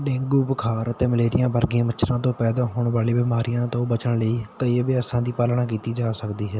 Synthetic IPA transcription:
ɖɪ̃ŋɡuːpkʰaːɾət̪eːməleːɾɪjãːbəɾɡɪãːmət͡ʃʰɾãːt̪õːpɛːd̪aːɦoːɳʋaːliːbɪmaːɾijãːt̪õːbət͡ʃəɳləiːkəiːʋjaːsãːd̪iːpaːlɳãːk̬iːt̪iːd͡ʒaːsəkd̪iːɦɛː

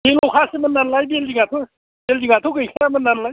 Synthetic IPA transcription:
belowkʰasemənːanlajbeldiŋat̪ʰo | b̥eldiŋat̪ʰokɯjkʰɾamənːanlaj

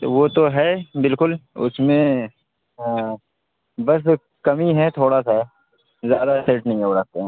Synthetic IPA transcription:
t̪oʋot̪oɦɛbɪlkʊlʊ̰smẽ | bɐs̬ | kɐmiɦɛt̪ʰoːɽasaɦɛ | zjaːd̪aseːʈnəɦĩɦoɾɐk̚ʰt̪eɦɛ̃ː

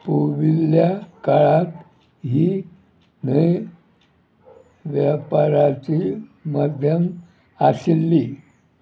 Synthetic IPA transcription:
puʋiljakaɭat̪ | ɦi | ne | ʋjapaɾat͡ɕimad̪ʱjəm | asilːi

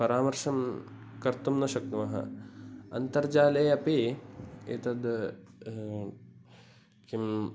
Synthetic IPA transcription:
pɐɾaːmɐɾʂɐm | kɐɾt̪umnɐʃɐk̚t̪umɐɦɐ̰ɐ̰nt̪ɐɾd͡ʒaːlɐjɐpeːḛt̪ɐd̪ | kim

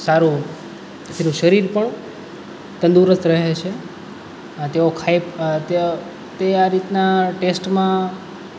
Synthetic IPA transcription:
saɾũ | t̪ʰenũʃəɾiɾpəɳ | t̪ə̃nd̪uɾəst̪ɾəɦet͡ʃʰe | t̪eokʰajpt̪ | t̪eaɾit̪naʈesʈmã

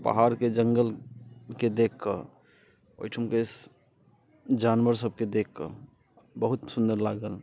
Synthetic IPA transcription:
pə̰ɦaɾked͡ʒəŋɡəlked̪ekʰkə̰ | o̰jʈʰumkes | d͡ʒanʋəɾsəb̚ked̪ekʰkə̰ | bəɦut̪sund̪əɾlaɡəl

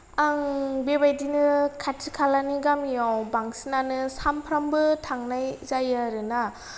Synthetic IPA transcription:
aŋbebajdinɯkʰatʰɯkʰalaniɡamijawbaŋsinanɯsampʰɾambɯtʰaŋnajzajaɾɯna

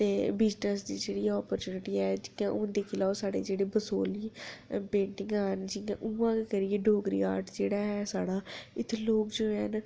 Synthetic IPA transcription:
t̪eːbɪd͡ʒnəsd̪iːd͡ʒeːɽiːaɔːpəɾt͡ʃuːnɪʈiːɛːd͡ʒɪãːʔʊ̃ːnd̪eːkɪlaːosaːɽḛːd͡ʒeːɽeːbəsoːliːpẽːɳʈɪ̃ŋɡaːnd͡ʒɪãːʔũːãːkekəɾieːɖʱoːɡɾḭːaːɾʈd͡ʒeːɽaːɦɛːsaːɽaːɪt̪ʰːloːkd͡ʒoːɛːn

